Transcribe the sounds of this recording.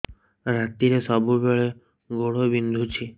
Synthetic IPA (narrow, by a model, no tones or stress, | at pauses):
ɾat̪iɾesɔbubeɭe | ɡoɽobind̪ʱut͡ʃʰi